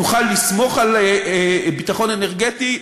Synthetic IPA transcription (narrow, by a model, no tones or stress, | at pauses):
uχalːismo̞χalebitaχo̞neneʁɡeti